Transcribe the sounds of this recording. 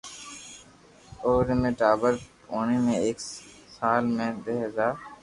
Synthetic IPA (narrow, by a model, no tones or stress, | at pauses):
oːɾmẽːʈaːbəɾ | oːɳeːmẽːeːk | saːlmẽːd̪eːɦəzaːɾ